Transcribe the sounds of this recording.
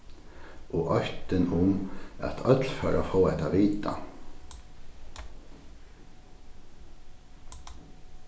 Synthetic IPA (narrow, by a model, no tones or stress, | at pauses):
ɔʔœht̪ɪnʊma̰t̪ʰœt̪lfœːɾa̰foːɛht̪aʋiːt̪a̰